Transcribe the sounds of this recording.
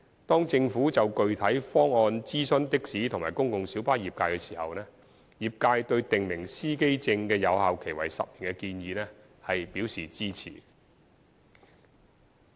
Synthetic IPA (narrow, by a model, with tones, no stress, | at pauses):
t̪ɔː˥ŋt͡sɪ˧ŋfuː˨˥t͡sɐ˨wkɵ˧ɥt̪ʰɐ˨˥jfɔː˥ŋɔː˧nt͡siː˥sɵ˥nt̪ɪ˥k̚siː˨˥t̪ʰʊ˨˩ŋmaː˨jkʊ˥ŋkʊ˨ŋsiː˨˥wpaː˥jiː˨p̚kaː˧jkɛ˧siː˨˩hɐ̰˨wnɛː˥ | jiː˨˩p̚kaː˧jt̪ɵ˧ɥt̪ɪ˨ŋmɪ˨˩ŋsiː˥ke˥jt͡sɪ˧ŋkɛː˧jɐ˨˧whaː˨˧wkʰe˨˩jwɐ̰˨˩jsɐ̰˨p̚i˨˩ŋkɛ˧kiː˧njiː˨˧nɛː˥ | hɐ˨jpiː˨˥wsiː˨˩t͡siː˥t͡sʰḭː˨˩